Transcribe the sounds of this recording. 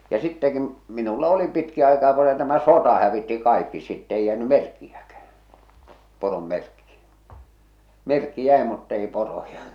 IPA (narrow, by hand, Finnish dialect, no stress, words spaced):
jɑ sitːɛki minulːɑ oli pitki ɑikɑː ko se tæmæ sotɑ hæʋitːi kɑikːi sitː eij jæːny merkːijækæh̞æ porom merkːi merkːi jæˑe mutː ei porojɑ